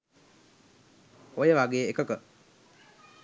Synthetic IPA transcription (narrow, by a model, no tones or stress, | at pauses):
ojəʋaɡeːekəkə